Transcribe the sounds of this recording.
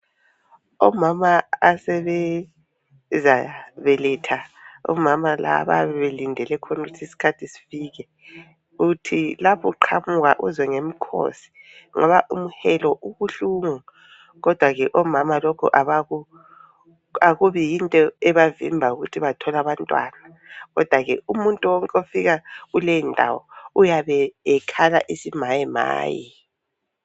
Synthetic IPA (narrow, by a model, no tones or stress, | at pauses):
ɔmamaːsɛβɛ | zaβɛlɛtʰaɔ̰mamala̰βa̰βɛβelindʱɛlɛkʰɔnuɣutʰisi̥kʰatʰisi̥fiːɣɛ | uutʰilapʰɔǃʰamuɣaʔuzwɛŋemikʰo̰si̥ŋɔβaʔumuhɛlɔʔuɣuɬuŋu | ɣɔd̥ʱwaɣɛʔɔmamalɔkʰṵʔaβaɣu | aɣuβijintʼɔɛβavḭmbʱauɣutʰiβatʰɔlaβantʼwa̰ːna | ɣɔ̰d̥ʱwaɣɛ̰umuntʼuwɔŋkʼofiɣaɣulejindʱa̰wɔ̰ujaβɛɛkʰala̰ʔisimajɛma̰ːjḭ